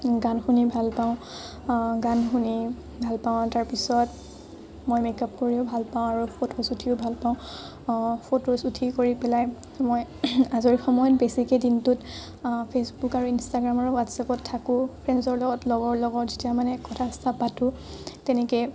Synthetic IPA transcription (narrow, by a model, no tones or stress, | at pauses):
ɡanxunibʱalpaʊ̃ | ɡanxuni | bʱalpaʊ̃taɹpisɔt | mojmekap̚koɹiʊbʱalpaʊ̃aɹupʰotosutʰiʊbʱalpaʊ̃ | pʰotosutʰikoɹipɛlaj | mojazɔɹxɔmɔjɔt̚besikedintʊt | pʰesbukaɹuinstaɡɹamɔɹuwatsapɔtʰːakʊ̃pʰɹɛnzɔɹlɔɡɔtlɔɡɔɹlɔɡɔtzetijamanɛkɔtʰastapːatʊ̃ | tɛnɛkɛ